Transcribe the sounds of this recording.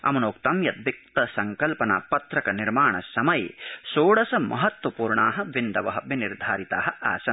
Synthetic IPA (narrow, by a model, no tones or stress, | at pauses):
ɐ̰mɐnoːkt̪ɐmjɐd̪̚ʋik̚t̪ɐsɐŋkɐlpɐna̰ːpɐt̪ɾɐkɐniɾmaːɳɐsɐmɐjḛsoːɽɐsɐmʔɐ̰ɦɐt̪ʋɐpuːɾɳaːɦɐ̆ʋind̪ɐʋɐɦɐʋiniɾd̪ʱaːɾit̪aːɦɐa̰ːsɐ